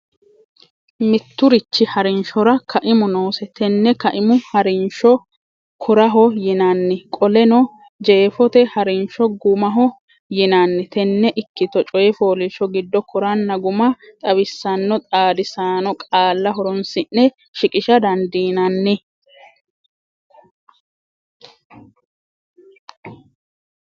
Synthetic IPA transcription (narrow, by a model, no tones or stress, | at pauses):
mɪt̪ːʊɾɪt͡ʃːɪhɐɾɪnʃɔɾɐkʰɐʔɪmʊnoːsɛt̪ɛnːɛkɐʔɪmʊhɐɾɪnʃɔ | kʰɔɾɐɦɔjɪnanːɛkʼɔlɛnɔ | d͡ʒe̞ːfɔt̪ɛhɐɾɪnʃɔɡʊmɐɦɔ | jɪnanːɛt̪ɛnːɛʔɪkːɪt̪ɔt͡ʃʼɔjɛfo̞ːlɪʃɔɡɪd̪ːɔkʰʊɾanːɐɡʊmɐt̪ʼɐbɪsːɐnːɔt̪ʼaːd̪ɪsaːnɔkʼaːlːɐɦɔɾɔnsɪnːɛ | ʃɪkʼɪʃɐd̪ɐnd̪iːnɐnːɛ